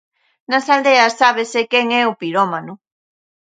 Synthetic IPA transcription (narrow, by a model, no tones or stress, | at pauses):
nɐsald̪eɐsaβ̞esekɛŋɛʊpiɾɔmanʊ